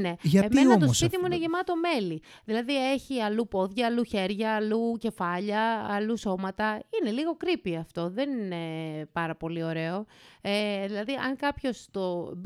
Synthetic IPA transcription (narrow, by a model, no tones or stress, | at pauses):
ne̞ʝɐemeoɐt̪ospit̪imuineʝemɐt̪o̞me̞li | ðilɐðie̞çiɐlupo̞ðʝɐːluçe̞ɾʝɐːluce̞fɐʎɐːluso̞mɐt̪ɐine̞liɣo̞kɾipiɐft̪o̞ðe̞nine̞pɐɾɐpo̞lio̞ɾe̞oeðilɐðiʔɐ̰ŋkɐpço̞st̪o̞b